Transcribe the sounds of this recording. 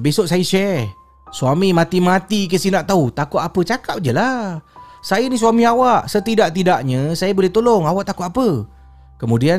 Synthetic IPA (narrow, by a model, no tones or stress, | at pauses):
besoʔsajəʃɛ | suamimat̪imat̪ikəsinaʔt̪aut̪akʊt̪apət͡ʃakap̚d͡ʒəla | sajənisuwamiawaʔsət̪idaʔt̪idaʔɲəsajabolɛht̪olʊŋawaʔt̪akʊt̪apə | kəmudia